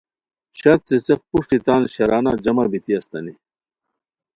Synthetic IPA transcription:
ɕɐk̚t͡set͡sɐk̚puʂʈit̪aːnɕɐɾaːnaːd͡ʑɐmabit̪iɐst̪ɐni

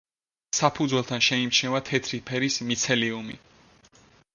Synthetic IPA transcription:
sapʰud̪zwɛlˠt̪ʰanʃɛimt͡ʃʰnɛvat̪ʰɛt̪ʰɾipʰɛɾismit̪sʰɛliumi

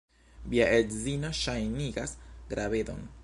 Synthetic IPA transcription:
viaʔedzino̞ʃajniɡasɡ̥ɾave̞do̰n

